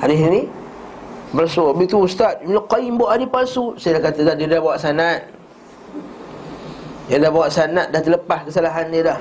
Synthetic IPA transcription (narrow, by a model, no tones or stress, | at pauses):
hadɪsni | bəɾsobit̪uust̪at̪̚miloqaimboʔadipasusajadahkat̪adahdidahbawaʔsanat̪̚ | dadahbawaʔsanat̪̚daht̪ələpaskəsalaɦanːədah